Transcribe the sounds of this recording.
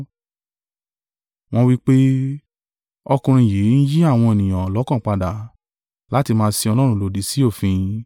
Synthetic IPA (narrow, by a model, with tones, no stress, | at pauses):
w̃ɔ̃˦wi˦k͡pe˦ | ɔ˧kũ˧ɾ̃ĩ˧˨je˨˦n̩˦ji˦a˦˨w̃ɔ̃˧e˨nĩ˨j̃ã˨lɔ˨˦kã˦˨k͡pa˧da˨ | la˦ti˧mãː˧˦si˧ɔ˧lɔ˦ɾ̃ũ˦lo˨di˨˦si˦o˦˨fĩ˧